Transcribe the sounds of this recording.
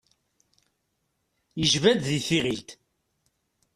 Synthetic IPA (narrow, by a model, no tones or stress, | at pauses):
jəʒvæd̪ðiθiʁilt̪